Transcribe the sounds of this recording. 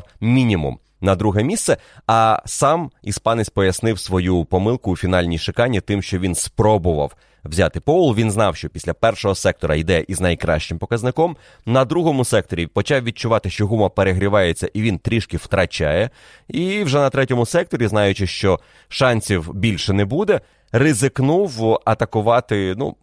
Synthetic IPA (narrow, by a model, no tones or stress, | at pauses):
wmʲinʲimṵm | nɐd̪ɾuɦɛmʲist̪sɛ | ɐsɑmispɑnɪsʲpɔjɐsnɪwsʋɔjupɔmɪlˠkʊːfʲinɑlʲnʲijʃɪkɑnʲːit̪ɪmʃt͡ʃɔʋʲinspɾɔbʊʋɐ̰w | wzʲat̪ɪpɔʊlˠʋʲinznɑwʃt͡ʃɔpʲisʲlʲɐpɛrʃɔɦɔsɛk̚t̪ɔɾɐid̪ɛʔiznɐjkɾɑ̰ʃt͡ʃɪmpɔkɐznɪkɔm | nɐd̪ɾuɦɔmʊsɛk̚t̪ɔɾʲipɔt͡ʃɑwʋʲid̚t͡ʃʊʋɑt̪ɪʃt͡ʃɔɦumɐpeɾeɦɾʲiʋɑjet͡sʲːɐʔiʋʲint̪ɾʲiʃkɪw̥t̪ɾɐt͡ʃɑ̰jɛ | iwʒɛnɐt̪ɾɛtʲɔmʊsɛk̚t̪ɔɾʲiznɑjʊt͡ʃɪʃt͡ʃɔ | ʃɑnʲsʲiwbʲilʲʃɛnɛbud̪ɛ | rezɪknuwɐt̪ɐkʊʋɑt̪ɪnṵ